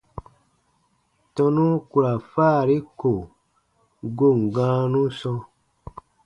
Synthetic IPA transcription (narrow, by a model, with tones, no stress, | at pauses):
tɔ̃˧nũ˦ku˨ɾa˨faː˦˨ɾi˦ko˨ | ɡo˦˨ŋ̩˨ɡã˦nũ˦sɔ̃˧